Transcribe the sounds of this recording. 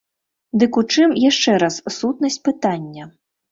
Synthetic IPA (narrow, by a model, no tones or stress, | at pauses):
d̪ɨkut͡ʂɨmjaʂt͡ʂɛɾɐssut̪nɐsʲt͡sʲpɨt̪anʲːɐ